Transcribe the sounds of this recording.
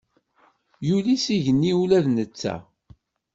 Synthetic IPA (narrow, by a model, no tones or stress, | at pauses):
julisiʝənːiulæðnət͡sːæ̰